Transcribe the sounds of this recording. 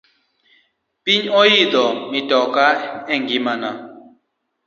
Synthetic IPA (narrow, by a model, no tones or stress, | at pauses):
pʼiɲojid̪ɔmid̥ʱɔk̬ʼaeŋɡʱimana